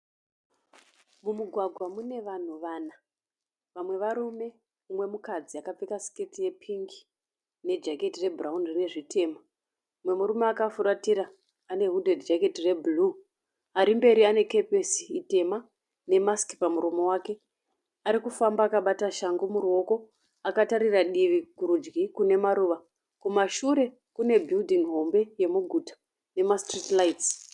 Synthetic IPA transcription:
mumuɡʱwaɡʱwamune̞ʋan̤uʋaːna | ʋamwe̞ʋaɾume̞ | umwe̞mukad͡ziakap͡fekasi̥ketije̞pʰiŋɡi̥ | ne̞d͡ʒake̞tire̞braunrine̞ʐitʰe̞ːma | umwe̞muɾumeakafuɾatiɾaː | ne̞ɦudʱedd͡ʒake̞tire̞bulu | aɾimbe̞ɾiane̞ke̞pesi̥ite̞ma | ne̞maski̥pamuɾomo̞waːke̞ | aɾikufambaːkaɓataʃaŋɡomuɾuo̞ko̞ | akataɾiraɗiʋiɡuɾud͡ʒɡikune̞maɾuʋa | kumaʃuɾe̞ | kune̞bʱildʱiŋɦo̞mbe̞je̞muɡʱutḁ | ne̞mastritlaits

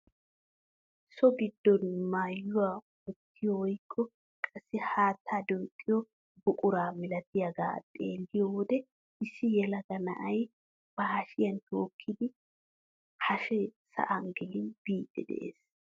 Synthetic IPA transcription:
sɔɡɪd̪ːɔnmaːjːʊwa | wɔt̪ːɪjɔwɔjkʰːɔ | kʼɐsːɪhaːt̪ʰːad̪uːt̪ʼːɪjɔ | bʊkʼʊɾaːmɪlɐt̪ɪjɐɡa̰ːt̪ʼeːlːɪjɔwɔd̪ɛ | ɪsːɪjɛlɐɡɐnɐ̰ʔɐj | b̥ɐhɐʃɪjɐnt̪oːkʰːɪd̪ɪ | hɐʃɛsɐ̰ʔɐŋɡɪlɪnb̥iːd̪ːɛd̪ɛ̰ʔḛːs

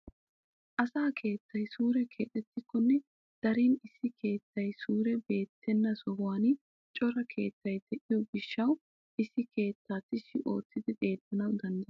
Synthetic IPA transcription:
ʔɐsaːkʰe̞ːt̪ːɐjsuːɾɛkʰe̞ːt̪ʼːɛt̪ːɪkːɔnːɛ | d̪̥ɐɾiːnɪsːɪkʰe̞ːt̪ːɐjsuːɾɛbe̞ːt̪ʰːɛnːɐsɔɦwaːnɪ | t͡ʃʼɔɾɐkʰe̞ːt̪ːɐjd̪ɛʔɪjɔɡɪʃːɐw | ʔɪsːɪkʰe̞ːt̪ːaːt̪ːɪʃːɪʔo̞ːt̪ːɪd̪ɪʔe̞ːd̪ːɐnɐwd̪ɐnd̪ɐ

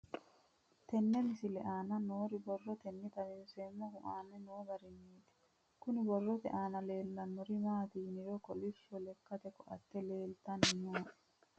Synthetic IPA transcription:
t̪ɛnːɛmɪsɪlɛʔaːnɐnoːɾɪbɔrːɔt̪ɛnːɪt̪ɐlɪnseːmːɔhʊʔaːnːɛnoːɡɐɾɪniːd̪ɛ̥ | kʊnɪbɔrːɔt̪ɛ̰ʔaːnɐleːlːɐnːɔɾɪmaːt̪iːnɪɾɔkɔlɪfːɔlɛkːɐt̪ɛkɔʔɐ̰t̪ːɛle̞ːlt̪ɐnnoː

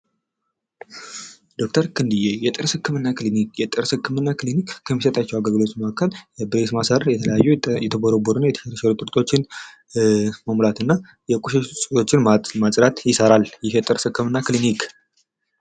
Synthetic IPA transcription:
d̪̥o̞k̚t̪ʰəɾkʰɨnd̪ɨjejɛt̪ʼɨɾsɨkːɨmɨnːaklinikjɛt̪ʼɨɾsɨkʰːɨmɨnːaklinikkʰəmːisət̪ʼat͡ʃːɛwaɡəlɡɨlo̞t͡ʃməakːəlɛbɨɾesmasəɾjɛt̪ʰələjajːɛjɛt̪ʰəɡoɾoboɾunajɛt̪ʰəʃɛɾəʃɛɾut̪ʼɨɾt̪ʼo̞t͡ʃːɪn | məmlat̪ɨnːa | jɛkʼuʃɛsʼɨo̞t͡ʃːɪnmasʼɾat̪jɪsəɾaljɪhjɛt̪ʼɨɾsɨkːɨmɨnːaklinikʰ

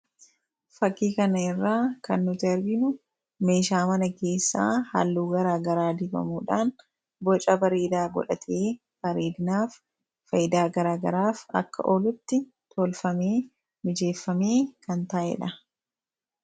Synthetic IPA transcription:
fɐkːiːkɐnɐɪrːaːkɐnːʊt̪ɐɾɡɪnʊ | me̞ːʃaːmɐnɐke̞ːsːa̰ːha̰lːuːɡɐɾaːɡɐɾaːd̪ɪbɐ̰muːᶑaːn | bɔt͡ʃʼɐbɐɾeːd̪aːɡɔ̰ᶑɐt̪ʰeː | b̥ɐɾeːd̪ɪnaːfː | ɐjɪd̪aːɡɐɾaːɡɐɾaːfɐ̰kːɐ̰ʔoːlʊt̪ːɪ | t̪ʰoːlfɐmeː | mɪd͡ʒe̞ːfːɐme̞ːkɐnt̪aːʔɛ̰ᶑɐ

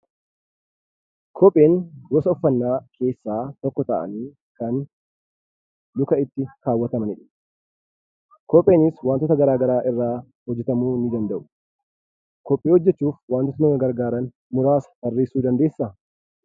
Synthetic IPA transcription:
kʰɔpʼːe̞ːnɡɔsɐɔfːɐnːaːkʰe̞ːsːaːt̪ɔkːɔt̪ɐ̰ʔɐ̰niː | kɐn | lʊkɐɪt̪ːɪɾaːwːɐt̪ɐmɐnɪᶑɐ̥ | kɔpʼːe̞ːnɪswaːnt̪ɔt̪ɐɡɐɾaːɡɐɾaːʔɪrːaː | hɔd͡ʒːɛt̪ɐmuːnɪd̪ɐnd̪ɐʔʊ̥ | kɔpʼːeːhɔd͡ʒːɛt͡ʃːuːfwaːnt̪ːɔt̪ɐnɐɡɐɾɡaːɾɐn | mʊɾaːsɐ̥b̪ɐrːe̞ːsːuːd̪ɐnd̪e̞ːsːɐ

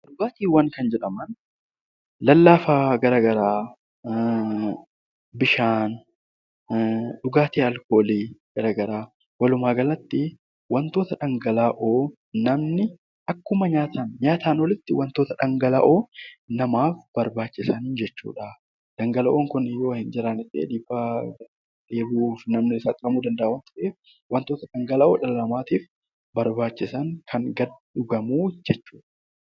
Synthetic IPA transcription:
ᶑʊɡaːt̪iːwɐŋkɐnd͡ʒɛᶑɐmɐn | lɐlːaːfaɡɐɾaːɡɐɾaː | bɪʃaːn | ᶑʊɡaːt̪iːɐlkoːliːɡ̥ɐɾaːɡɐɾaː | wɐlʊmaːɡɐlɐt̪ːɪ | wɐnt̪o̞ːt̪ɐᶑɐŋɡɐlaːʔoː | nɐmnɪ | ʔɐkːʊmɐɲaːt̪aːnɲaːt̪aːnɔlɪt̪ːɪwɐnt̪o̞ːt̪ɐᶑɐŋɡɐla̰ːʔoːnɐmaːfb̥ɐɾbaːt͡ʃːɪsɐnd͡ʒɛt͡ʃːṵːᶑɐ | d̪̥ɐŋɡɐlɐʔoːŋkʊnɪjo̞ːhɪnd͡ʒɪɾanɪsʼḛːd̪iːfa | ᶑe̞ːbuːfnɐmnɪɪsɐːk̪ʼɪɾɐmuːd̪ɐnd̪ɐʔɐwɐnt̪ʊ̥ʔeːf | wʔɐnt̪o̞ːt̪ɐᶑɐŋɡɐlaːʔoːᶑɐlɐlɐmaːt̪iːf | bɐɾbaːt͡ʃːɪsɐŋkʰɐŋɡɐdᶑʊɡɐmuːd͡ʒɛt͡ʃːuːᶑɐ̥

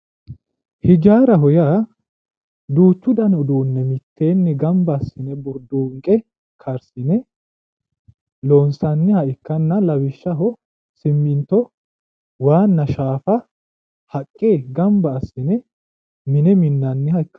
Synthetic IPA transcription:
hɪd͡ʒaːɾɐɦɔjaː | d̪uːt͡ʃːʊd̪ɐnʊd̪uːnːɛmɪt̪ʰːeːnːɛɡɐmbɐːsːɪnɛbʊɾd̪uːŋkʼɛ | kʰɐɾsɪnɛ | loːnsɐnːɪhɐʔɪkːɐnːɐlɐwɪʃːɐɦɔ | sɪmːɪnt̪ːɔ | waːnːɐʃaːfɐ | hɐkʼːeːɡɐmbɐːsːɪnɛ | mɪnɛmɪnːɐnːɪhɐɪkːɐ̥

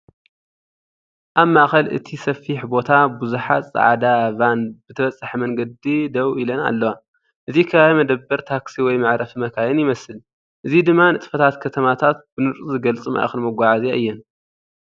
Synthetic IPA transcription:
ʔaβmaʔxɐlʔɨ̰t̪ʰisɐfiħbo̞t̪ʰabuzuħa̰t̪sʼa̰ʕd̪aβanbɨt̪ʰɐβɐt͡sʼːħɐmɐŋɡɐd̪id̪ɐwilɐna̰lːɐwa | ʔɨzikʰɐβaβmɐd̪ɐbːɐɾt̪ʰaksiwɔjmaʕɾɐfmɐkʰajɛnjɪmɐsɨl | ʔɨzid̪ɨmːanɨt̪ʼfɐt̪ʰat̪kʰɐt̪ʰɐmat̪ʰat̪̚bɨnɨt͡sʼuzɨɡɐlt͡sʼɨmʔa̰ʔxɨnmɐɡʷaʕazeɨjːɛn

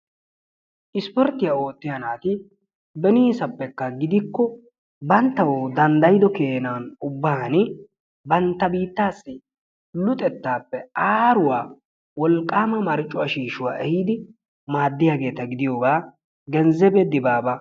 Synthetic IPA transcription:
ʔɪspɔɾt̪ːɪjao̞ːt̪ːɪjɐnaːt̪ɪ | bɛniːsɐpːɛkːɐɡɪd̪ɪkːɔ | bɐnt̪ːɐwoːd̪ɐnd̪ɐjɪd̪ɔke̞ːnaːnʊbːanɪ | bɐnt̪ːɐbiːt̪ːaːsːɪ | lʊt̪ʼɛt̪ːaːpːɛaːɾʊwaː | wɔlkʼːaːmɐmɐɾt͡ʃʼːʊɐʃiːʃʊwa̰ːʔɛhiːd̪ɪ | maːd̪ːɪjaːɡe̞ːt̪ɐɡɪd̪ɪjo̞ːɡaː | ɡɛnzɛbɛd̪ɪbaːbɐ

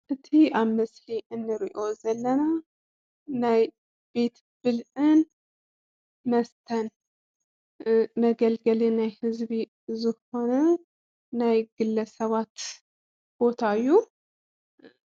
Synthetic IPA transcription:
ʔɨt̪ʰiaβmɐsliʔɨnːɨɾiʔo̞zɐlːɐna | naj | be̞t̪ | b̥ɨlʔɨn | mɐst̪ʰɐn | mɐɡɐlɡɐlenajhɨzβi | zɨho̞nɐ | najɡ̥ɨlːɐsɐβat̪ | b̥o̞t̪ʰaɨjːu

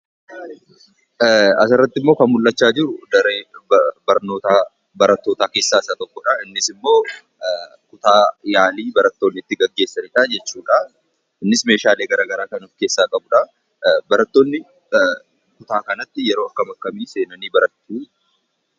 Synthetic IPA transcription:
ɐ̰sɪrːɐt̪ːɪmːoːkɐnmʊlːɐt͡ʃːaːd͡ʒɪɾʊd̪ɐɾeːbɐɾno̞ːt̪aː | bɐɾɐt̪ːo̞ːt̪aːke̞ːsːaːɪsat̪ɔkːɔᶑɐɪnːɪsɪmːo̞ː | kʊt̪aːjaːliːbɐɾɐt̪ːo̞ːnːɪt̪ːɪɡɐɡːe̞ːsːɐnɪᶑad͡ʒɛt͡ʃːuːᶑɐ | ɪnːɪsme̞ːʃaːle̞ːɡɐɾaːɡɐɾaːkɐnɔfke̞ːsːaːkʼɐbʊᶑɐ | bɐɾɐt̪ːo̞ːnːɪ | kʊt̪aːkɐnɐt̪ːɪjɛɾo̞ːɐkːɐmɐkːɐmiːse̞ːnɐniːbɐɾɐt̪ːuː

